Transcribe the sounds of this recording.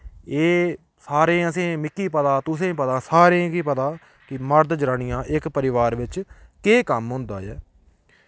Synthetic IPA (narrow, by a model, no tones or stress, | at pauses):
eː | saːɾẽːəsẽːmɪkːiːpət̪ãːt̪ʊsẽːpət̪ãːsaːɾẽːkiːpət̪aː | kɪməɾd̪d͡ʒɾaːnɪjãːʔɪkpəɾɪʋaːɾʋɪt͡ʃkeːkəmɦʊ̃nd̪a̰ːjɛː